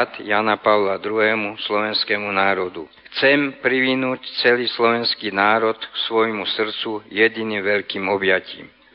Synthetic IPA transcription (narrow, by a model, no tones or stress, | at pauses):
t̪janapaʊlad̪ɾuɦɛːmuslɔʋɛnskɛːmunaːɾɔd̪ṵxt͡sɛmpɾiʋinuːct͡sɛliːslɔʋɛnskiːnaːɾɔt̪ksʋɔjmusr̩t͡sujɛd̪iniːmʋɛʎkiːmɔbjacḭːm